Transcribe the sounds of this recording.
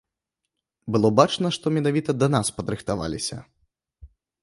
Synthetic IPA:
bɨlˠɔbat͡ʂnɐʂt̪ɔmʲɛnavʲit̪ɐd̪ɐnaspɐd̪ɾɨxt̪ava̰lʲisʲɐ̰

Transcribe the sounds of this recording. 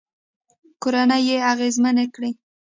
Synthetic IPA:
koɾanəjeaɣezmanekɽi

